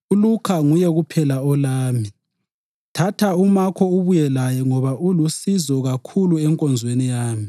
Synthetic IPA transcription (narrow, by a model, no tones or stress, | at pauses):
ulukʰaŋujɛɣupʰɛlaɔlaːmi | tʰatʰaumakʰɔuβujɛlajɛŋɔβaʔulusizɔɣakʰuluɛŋkʼɔnd͡zʱwenijaːmi